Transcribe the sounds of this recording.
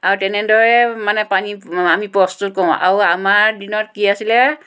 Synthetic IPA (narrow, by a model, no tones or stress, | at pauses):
aɹutɛnɛdɔɹɛmanɛpaniamipɹɔstut̚kɔʊ̃ʔa̰ɹuamaɹdinɔt̚kiasilɛ